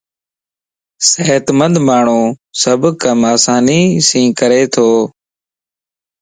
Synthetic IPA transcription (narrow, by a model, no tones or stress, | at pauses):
seːt̪mənd̪maːɳ̤ũːsəbʱkəmaːsaːniːsĩːkəɾeːt̪ʰoː